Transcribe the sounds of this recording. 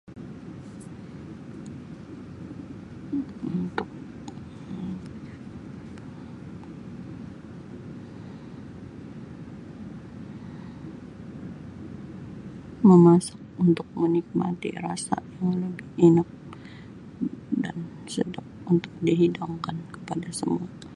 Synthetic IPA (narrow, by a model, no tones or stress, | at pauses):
unt̪ʊk̚ | məmasḁk̚unt̪ʊk̚mənik̚ma̰t̪ḭrasa̰jaŋləbɪhinak̚ | dan | sədap̚unt̪ʊk̚diɦidaŋkankə̥padasəmua